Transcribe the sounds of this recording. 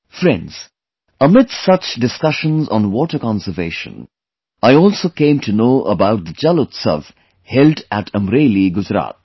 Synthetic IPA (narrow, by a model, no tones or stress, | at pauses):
fɾɛ̃nz̥ | əmɪdsʌt͡ʃdɨskʌʃə̃nzɔ̃nwɔːʈəkɑ̃nsəveːʃə̰̃n | aɪɔːlˠsokẽɪ̃mtʰunoːʔəbaʊt̪̚d̪əd͡ʒɛlətsʌ̰v | hɛltæʈʰə̃mɾeɪliɡʊd͡ʒɾa̰ːt̪̚